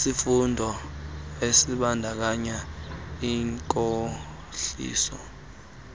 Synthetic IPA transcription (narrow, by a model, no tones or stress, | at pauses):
sifundʱɔ | esiɓandʱak̬aɲaiŋkʼo | ɬḭːsɔ̰